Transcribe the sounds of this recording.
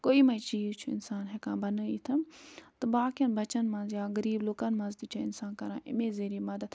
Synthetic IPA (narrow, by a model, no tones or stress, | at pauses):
koːiːmɐ̃it͡ʃiːt͡ʃʰuɪ̰nsaːnɦɛkãːbɐnəiːt̪ʰɐmt̪ɨbaːkjɐnbɐt͡ʃɐnmãːnzjaːɡɐɾiːbloːkanmãːzd̪it͡ʃʰãɪnsaːnkɐɾãːʔɪ̰mẽːzeːɾiːmɐd̪ət̪